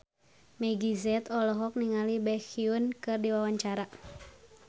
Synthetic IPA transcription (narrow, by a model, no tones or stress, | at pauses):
mɛɡizɛt̪ɔlɔɦɔk̚niŋalibɛxiunkɨrdiwawaɲt͡ʃaɾa